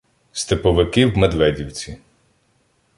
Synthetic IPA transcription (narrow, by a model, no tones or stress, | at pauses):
st̪epɔʋɪkɪwmed̪ʋɛdʲiwt͡sʲi